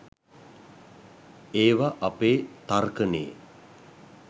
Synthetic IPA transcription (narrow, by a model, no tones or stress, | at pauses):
eːʋaʔapeːt̪arkənḛː